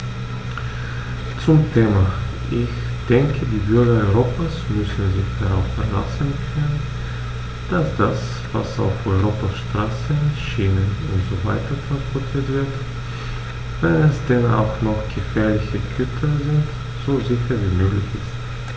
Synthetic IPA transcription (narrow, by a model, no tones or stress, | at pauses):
t͡sʊmtʰeːma | ʔɪç | d̥ɛŋkʰədiːbʏɐɡɐɔʏʁoːpʰasmʏsn̩zɪçd̥aʁaʊfɛɐla̰sn̩kʰœnən | d̥asd̥as | v̥a̰sa̰ʊfɔʏʁoːpɐʃtʁ̥aːsənʃiːnənʊntz̥ovaɪtɐfɛɐfɔtʰətv̥ɪɐt | vɛnɛsd̥ɛna̰ʊxnɔxɡ̥əfɛːɐlɪçəɡʰʏtʰɐzɪnt | z̥oːzɪçɐviːmøːɡlɪçɪst